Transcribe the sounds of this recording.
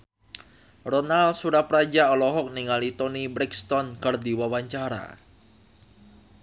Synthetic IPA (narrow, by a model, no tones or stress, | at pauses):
rɔnalsuɾahpɾad͡ʒaɔlɔɦɔk̚niŋalit̪ɔnibɾɛkst̪ɔnkard̪iwawaɲt͡ʃaɾa̰